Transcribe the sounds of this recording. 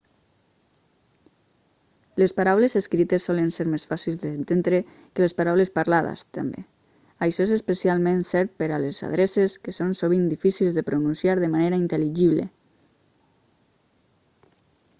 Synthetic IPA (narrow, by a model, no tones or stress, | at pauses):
lespaɾawlezeskɾit̪esːɔlənseɾmesfasilzðent̪end̪ɾe | kəlespaɾawlespaɾlaða̰st̪a̰mbḛ | ajʃɔezespesjalˠmẽnsɛɾpeɾaleza̰ðɾeseskesonsoβ̞ind̪ifisilzðepɾununsjaɾðəmaneɾaint̪eliʒiβlḛ